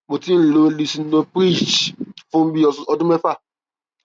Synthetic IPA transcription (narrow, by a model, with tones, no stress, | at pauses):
mo˨ti˦n̩˦˨lo˨˦li˦˧si˧˦nõ˧pɾi˦˨t͡ʃfũ˦m̩˦bi˦ɔ˧ɔ˧dũ˦mɛ˦fa˦˨